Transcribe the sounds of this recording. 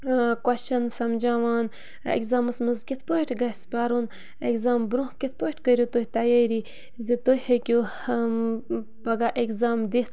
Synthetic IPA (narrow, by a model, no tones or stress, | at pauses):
kwɐt͡ʃɐnsɐmd͡ʒaːwaːn | ḛkzaːmɨsmɨzkit̪ʰpoiʈɡɐspaːɾun | ekzaːmbɾũhkit̪̚ʰpoʈkəɾʲjut̪ohʲt̪ɐjeɾi | zit̪ojhekʲu | pɐɡaʔekzaːmd̪it̪